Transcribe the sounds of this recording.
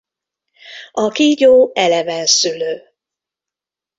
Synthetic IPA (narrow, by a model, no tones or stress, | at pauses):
ɒkiːɟoːɛlɛvɛnsyløː